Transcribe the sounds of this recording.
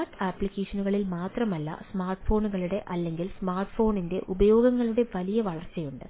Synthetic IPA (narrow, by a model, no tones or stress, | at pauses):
ʈːaːpːɭikːeːʂɐnuɣɐɭilmaːt̪rɐmɐlːɐ̰smaːrʈfo̞ːnuɣɐɭuɽe̞ʔɐlːe̞ŋɡilsmaːrʈfo̞ːninde̞ʔubɐjo̞ːɡɐŋːɐɭuɽe̞ʋɐlijɐʋɐɭɐrt͡ɕːɐjuɳɖɨ